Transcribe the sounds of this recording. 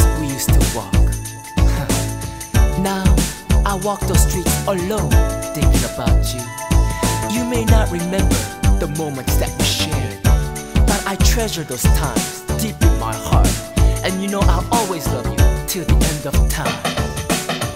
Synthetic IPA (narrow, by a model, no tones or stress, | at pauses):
wijʉstʰɨwɔ̰k | naʊʔaɪwɔk̚ðəstɹ̥itəlõʊ̃nθɪ̃ŋɪ̃ŋəbaʊt͡ʃʉ | jɨmeɪnət̚ɹɨmɛ̃mbə˞ðəmõʊ̃mɨ̃ntsðɨ̰ʔ̚wiʃɛɹ̃ | b̥ʌɾaɪtʰɹ̥ɛʒə˞ðoʊz̥tʰãɪ̃mz̥dipɨ̃nma̰ɪhɑ̰ɹtʔɨ̃njɨnoʊʔaɪlˠɔlˠwizlʌvjɨ̰tʰɪlˠðiʔɛ̃ndʌv̥tʰãɪ̃m